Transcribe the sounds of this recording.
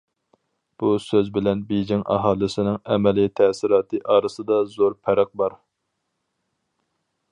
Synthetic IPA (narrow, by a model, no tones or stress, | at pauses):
b̥usøzbɪlɛnbed͡ʒɪŋʔɑ̰ɦɑːlˠɪsɪnɪŋɛmɛlit̪ʰɛsɪɾɑːt̪ʰɨʔɑːɾɨsɨd̪ɑzoɾpʰɛɾɪq̚bɑɾ